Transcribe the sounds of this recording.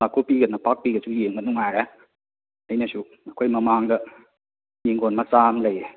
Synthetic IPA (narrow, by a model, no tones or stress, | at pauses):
makʰopiɡɐnapak̚piɡɐsʰujeŋbɐnuŋaɾa | ɐjnɐsu | akʰojmɐmaŋdɐ | niŋɡonmɐt͡ʃamlɐj